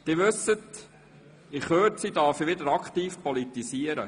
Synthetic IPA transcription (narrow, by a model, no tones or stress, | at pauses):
d̪̥ɪʋʉsːət | ɪχhøːtsid̪ɑɾfiʋɪd̪əɾɑkχt̪iːfpɔlit̪isiːəɾə̰